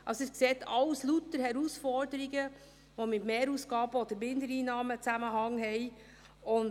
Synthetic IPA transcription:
ʔɑsɪskseːtʰɑwslutəɾhɛɾusfɔɾdəɾiɡə | ʋomɪtmeːɾuːsɡ̥ɑːb̥əod̪əɾmɪndəɾiːnɑːmət͡sæməɦɑŋɦɛɪ | ʊn

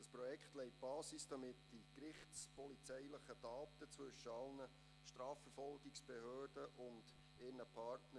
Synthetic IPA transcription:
d̥ɑspɾɔjɛkχtlɛɪt̚b̥ɑːsisd̥ɑmɪtd̥ikrɪχtspʰɔlit͡sɛɪləχətɑːtət͡sʋɵʃəɑlnə | ʃtɾɑːfɛɾfɔlɡɪksb̥ɛhøːrdəʔʊnd̥ | ɪrnəpʰɑɾtnə

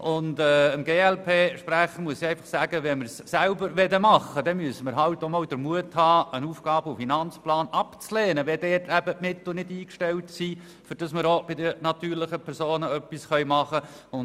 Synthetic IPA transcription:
ʔʊndɛːəmɡeːɛlpʰeːʃpɾæχəɾmuəsiɛɪfɑχsæːɡ̥əʋɛnməɾsːælbəɾʋɛdəmɑχːəd̥ɛmyəsəməɾɦɑltːɔmɔʊd̥əɾmuəthɑːənuːfɡ̥ɑːbəʊfinɑnt͡splɑːnɑpt͡sleːnəʋɛdɛːtʰæbəʔmɪt̪l̩nɪdiːkʃtɛltsiː | fʏɾd̥ɑsməɾob̥ɪdənɑtyːɾlɪχəpʰɛɾsoːnəœpːisχœʏmɑχəʊn

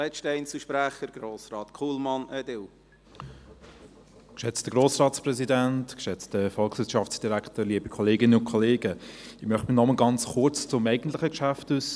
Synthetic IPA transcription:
lɛt͡ʃtɛɪnsuʃpɾæχəɾɡ̥ɾoːsɾɑːtkʰuːlmɑnɛd̪ɪl | kʃɛt͡std̥əɡ̥ʁoːsrɑːtt͡spɾɛzidæntkʃɛt͡stdəfɔlˠksʋɪʃɑftsd̥iɾæktəliəbikʰɔleːɡɪnəʊnkʰɔleːɡəɪmœχtminɔmənɡɑnt͡sχʊrt͡st͡sʊmɛɪɡən̩tlɪχəkʃæftus

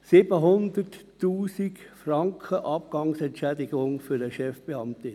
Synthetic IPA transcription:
sɪbəɦʊnd̪ərtː | uːsikfrɑŋkʰχəʔɑpɡ̥ɑŋsɛntt͡ʃɛdɪɡʊŋfyɾdəʃɛfb̥eɑmt̪ɪ

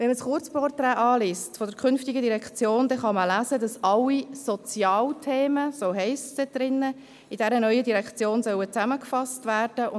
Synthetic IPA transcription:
vɛnməsχʊɾt͡spɔrtɾɛːʔɑːliːstfɔd̥əɾkʰʏnftiɡədiɾɛkt͡sjoːndɛχɑməlæːzədɑsɑlːisɔt͡sjɑːltʰeːməsoːɦɛɪstsd̥ɛt̚d̥ɾɪnːə | idɛɾənœʏədiɾɛkt͡sjoːnsœwət͡sæməkfɑstvæːrd̥əʊ

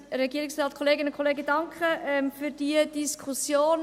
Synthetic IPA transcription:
ɾɛɡiəɾiksrɑːtkʰoleːɡɪnʊnkʰoleːɡəd̥ɑŋkχəʔmfyːɾd̥iəd̥iskʰχusjoːn

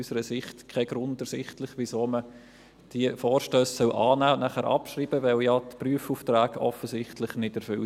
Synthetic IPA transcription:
ysəɾəsɪχtkʰɛɡɾʊndəɾsɪχtlɪχʋisoːmə | d̥iəfoːɾʃtøːsːœʊʔɑːnæːnæχæːɾʔɑ̰pʃriːb̥əʋɛwjɑːtpryəfuːftɾæːɡɔfəsɪχtlɪχnɪdɛɾfʏ

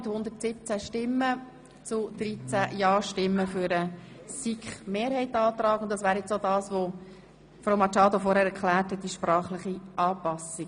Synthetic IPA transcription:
thʊndətsɪp̚t͡sæʃtɪmːə | t͡sʊd̪̥ɾit͡sæjɑːʃtɪmːəfyɾəsikχmeːɾhɛɪtɑːt̪ɾɑːkʊntd̥̪ɑsʋæːɾjɛt͡sodɑːsʋo | fɾoʊmɑt͡ʃɑːdofɔɾhɛːɾɛɾkʰlæːɾthɛt̪̚d̥iʃpɾɑːχləχiʔɑːpɑsɪ

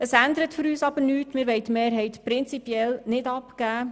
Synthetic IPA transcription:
əsænd̪əɾətfɵɾyːsɑb̥əɾnyːtmɪːɾʋɛɪtmeːɾɦɛɪt̪pɾɪnt͡sipjɛlnɪdɑpɡ̥æː

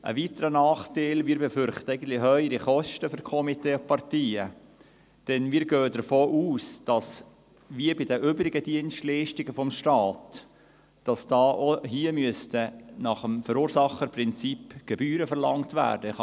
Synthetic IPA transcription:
ʔə̰ʋitəɾənɑːχteɪlmiːɾbefʏɾχtəæɪɡən̩tlɪɦœʏəɾiχɔʃtəfʏɾkʰɔmiteːpɑrtiːə | d̥ɛnmiːɾɡøːədəɾfoːʔuːsd̥ɑs | ʋiəbɪdəʔøːbɾɪɡəd̥iənstliɪʃtɪɡəfɔmʃtɑːt | d̥ɑsd̥ɑːʔoɦiəmyəstənɑχəmfœɾuːɾsɑχəɾprɪnt͡sipɡ̥ɛbyːɾəfəɾlɑ̰ŋtʋæ̰ːɾdə

